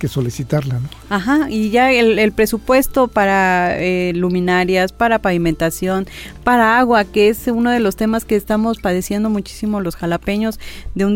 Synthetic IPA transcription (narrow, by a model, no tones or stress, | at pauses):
kesolisit̪aɾlanoaxaiʝaelelpɾe̞supwe̞st̪o̞paɾaelumĩnaɾjaspaɾapaβiment̪asjo̞npaɾaaɣwakeesuno̞ð̞e̞lo̞st̪e̞maske̞ːst̪amo̞spaðe̞sje̞nd̪o̞mut͡ʃi̥simolosxalape̞ɲo̞zðeun